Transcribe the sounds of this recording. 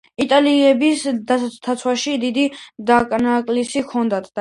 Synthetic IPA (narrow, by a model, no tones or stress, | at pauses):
it̪ʼaliɛbisd̪ast̪ʰat̪sʰwaʃid̪id̪id̪akʼnakʼlisikʰɔnd̪at̪ʰd̪a